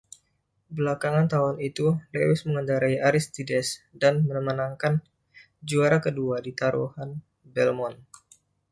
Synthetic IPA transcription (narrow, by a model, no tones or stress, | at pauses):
bəlakaŋant̪aɦʊnit̪ulewɪsməŋəndaɾaiaɾist̪idɛsdanmənəmənaŋkan | d͡ʒuaɾakəduadit̪aɾṵhan | bɛlmɔn